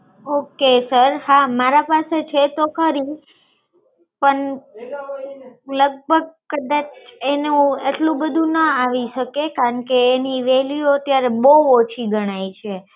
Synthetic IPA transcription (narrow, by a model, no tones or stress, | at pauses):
okesəɾhamaɾapaset͡ʃʰet̪okʰəɾi | pəɳ | ləɡ̚bʱəɡ̚kəd̪at͡ʃʰenũeʈlũbəd̪ʱũnəaʋiʃəkekaɾəɳkeːniʋeljoət̪jaɾeboɦuot͡ʃʰiɡəɽ̃ajt͡ʃʰe